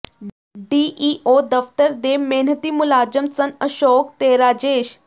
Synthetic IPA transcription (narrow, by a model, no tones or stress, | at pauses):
ɖiːʔiːʔoːd̪ɐft̪əɾd̪eːmeːn̤ət̪iːmʊlaːd͡ʒəmsɐnəʃoːk̚t̪eːɾaːd͡ʑeːʃ